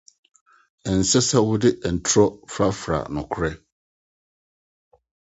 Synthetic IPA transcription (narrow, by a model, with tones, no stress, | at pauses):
ɛ˨n̩˨sɛ˦sɛ˦wʊ˦dɪ˦ʔɛ˨n̩˨tʰʊ˦ɾɔ˦fɾa˦fɾa̰˨nʊ̃˨kʰʊ˦ɾɛ˦